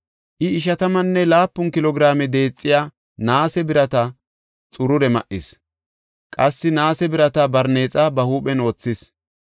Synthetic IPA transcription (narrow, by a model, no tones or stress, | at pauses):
ʔɪɪʃ̬ɐt̪ɐmɐnːɛlaːpːʊnkɪlɔɡɾaːmɛd̪e̞ːt͡sʼːɪjaː | naːsɛbɪɾɐt̪ɐ | t͡sʼʊɾʊɾɛmɐ̰ʔɪs | kʼɐsːɪnaːsɛbɪɾɐt̪ɐbɐɾne̞ːt͡sʼɐbɐhuːpɛno̞ːt͡sːɪs